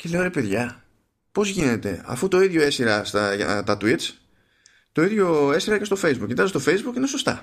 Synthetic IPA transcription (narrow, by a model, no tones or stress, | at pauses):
ce̞le̞oɾe̞pe̞ðʝɐ | po̞zʝine̞t̪e̞̰ɐ̰fut̪o̞iðʝo̞e̞siɾɐst̪ɐɐ̰t̪ɐt̪uit̪t͡s | t̪o̞iðʝo̞e̞siɾɐce̞st̪o̞fe̞jzbukcit̪ɐzst̪o̞fe̞jzbukineso̞st̪ɐ̰